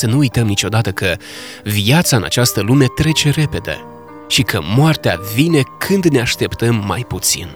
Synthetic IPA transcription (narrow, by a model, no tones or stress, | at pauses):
sənuujt̪əmnit͡ʃo̞d̪at̪əkə | viat̪saɨna̰t͡ʃast̪əlume̞t̪ɾe̞t͡ʃe̞ɾe̞pe̞d̪ḛ | ʃikʰəmoart̪ea̰vine̞kʰɨnd̪ne̞aʃt̪e̞pt̪əmːa̰jput̪sḭn